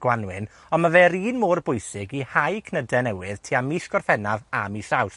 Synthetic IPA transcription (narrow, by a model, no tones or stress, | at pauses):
ɡ̥wanwɪn | ɔnmaveːɾiːnmoːrbʊjsɪɡihajkʰnədɛnɛwɨð̥tʰiːamiːsɡ̥ɔrfɛnavamiːsaws